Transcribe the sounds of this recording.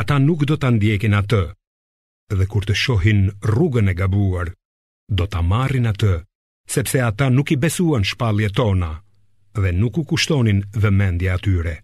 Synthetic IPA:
at̪anukd̪ɔt̪and̪jɛkinat̪ə | ðɛkuɾt̪əʃɔɦinruɡənɛɡabuaɾ | d̪ɔt̪amarinat̪ə | sɛpsɛat̪anukibɛsuanʃpalˠjɛt̪̬ɔna | ðɛnukukuʃt̪ɔninvɛmɛnd̪jaːt̪yɾɛ

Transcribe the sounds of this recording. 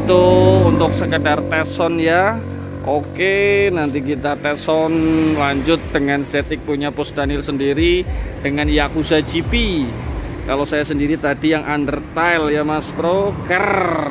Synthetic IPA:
t̪uunt̪ʊk̚səkədart̪ɛsɔnja | ʔokenant̪̬ik̬it̪at̪ɛsɔnlaɲd͡ʒʊt̪̚dəŋansɛt̪ɪk̚puɲapɔsdanɪlsəndiɾid̥əŋanjakusad͡ʒipi | kalosajasəndiɾit̪adijaŋʔandərt̪ajljamaspɾokər

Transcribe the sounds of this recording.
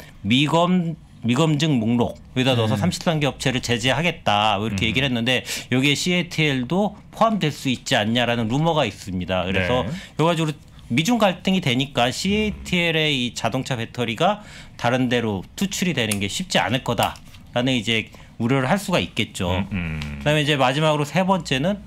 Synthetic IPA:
miɡʌm | miɡʌmd͡ʑɯŋmoŋnok̚wedadʌsʰʌsʰamɕʰi̥p̚s͈anɡiʌp̚t͡ɕʰe̞ɾɯɭt͡ɕe̞d͡ʑeɦaɡe̞t̚t͈aiɾʌkʰe̞je̞ɡiɭɦenːɯnde̞jʌɡie̞ɕʰietʰie̞ɭdopʰoamdwe̞ɭs͈uit̚t͡ɕ͈iaɲɲaɾanɯnɾumʌɡais͈ɯmɲidakɯɾe̞sʰʌjʌɡad͡ʑiɾo | mid͡ʑuŋɡaɭt͈ɯŋidwe̞ɲik͈aɕʰietʰieɾe̞it͡ɕadoŋt͡ɕʰape̞tʰʌɾiɡataɾɯnde̞ɾotʰut͡ɕʰuɾidwe̞nɯnɡe̞ɕʰip̚t͡ɕ͈ia̰nɯɭkʰʌda̰ | ɾanɯnid͡ʑe̞ | uɾjʌɾɯɭɦaɭs͈uɡait̚k͈e̞t̚t͡ɕ͈okɯdamenid͡ʑe̞mad͡ʑimaɡɯɾosʰe̞bʌnt͡ɕ͈e̞nɯn

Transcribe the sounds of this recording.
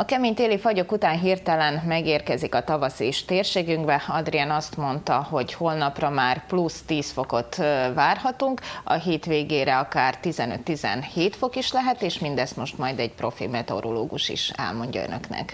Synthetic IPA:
ɒkɛmeːɲt̪eːlifɒɟo̞kut̪aːnɦiːrt̪ɛlɛnmɛɡeːrkɛzikɒt̪ɒvɒsiʃt̪eːrʃeːɡyŋɡbɛɒd̪rianɒst̪mo̞nt̪ɒɦo̞ɟholnɒprɒmaːrplust̪iːsfo̞ko̞t̪vaːrhɒt̪uŋkɒ̰ɦiːt̪ʋeːɡeːɾɛɒkaːrt̪izɛnø̞̰t̪ːizɛ̰nheːt̪fo̞kiʃlɛɦɛt̪eːʃmind̪ɛst̪mo̞ʃt̪mɒjd̪ɛɟpro̞fḭmɛt̪ɛoɾo̰lo̰ːɡuʃḭʃɛ̰lmo̞ɲɟɒ̰ø̰nø̰knɛ̰k

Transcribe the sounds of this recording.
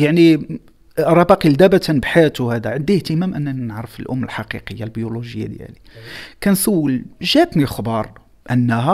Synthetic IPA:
jaʕni | ɾˤɑbɑqild̪æbæt̪ænbħat̪whæd̪æʕənd̪iht̪əmæmʔənːænʕɾəfəlʔʊmːəlħɑqiqəjːalbəjuluʒəjːa̰d̪jæ̰likænsəwːəlʒæt̪nixbɑɾˤ | ʔənːæɦæ

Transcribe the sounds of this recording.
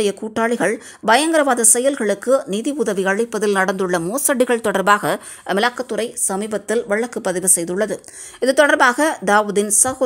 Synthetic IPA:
ɐjɐkuːʈːaːɭɪɣɐɭ | bɐjɐŋɡɐɾɐʋaːðɐsɛjɐlɣɐɭɯkːɯniːðiʊðɐʋiɐɻɪpːɐðɪlnɐɽɐnd̪ɯɭːɐmoːsɐɽːɪɣɐɭt̪ɔɽɐɾbaːɣɐ | ʔmɪlaːkːɐt̪ːɯɾɐɪsɐmiːbɐt̪ːɪlʋɐɭːɐkːɯpːɐðɪʋɯsɛjðɯɭːɐðɯ | ɪðɯt̪ɔɽɐɾbaːɣɐd̪aːʋɯðɪnsɐɣoː

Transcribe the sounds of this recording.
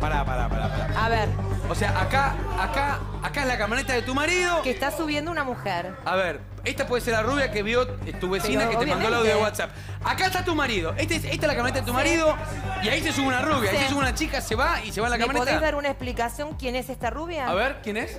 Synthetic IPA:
paɾapaɾa̰pa̰ɾa̰pa̰ɾa̰paβeɾoseaʔakaakaːkaezlakamanet̪aðet̪umaɾiðo̞kest̪asuβjend̪ounamuxeɾ | aβeɾ | est̪apweðeseɾlaruβjakeβjo̞t̪uβesinaet̪em̃anolawðjoðewat̪sap̚ | akaet̪at̪umaɾiðo̞ʔet̪eeset̪aelakamanet̪aðet̪umaɾiðo̞iaisesumeunaruβjaisses̬umeunat͡ʃikaseβaiseβaenlakammaneoðeaðaɾunaesplikasjõ̞ŋkjenesest̪aruβjaaβeɾkjenes

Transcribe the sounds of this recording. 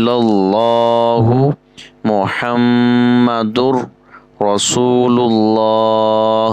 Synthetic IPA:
lalːɑːɦʊ | mʊħamːad̪ʊ | ɾˤɑsuːlʊlːɑː

